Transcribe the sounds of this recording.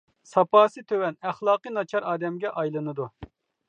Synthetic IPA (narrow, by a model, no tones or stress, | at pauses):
sɑpɑːsɨt̪ʰøwɛnæχlˠɑːqɨnɑt͡ʃʰɑɾɑːd̪ɛmɡʲɛʔɑjlˠɨnɨd̪u